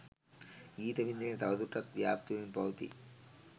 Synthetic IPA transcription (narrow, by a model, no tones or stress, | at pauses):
ɡiːt̪ɐbʱind̪inet̪ɐʋɐd̪uʈːɐkʋjaːp̚t̪uʋinpɐwt̪ḭ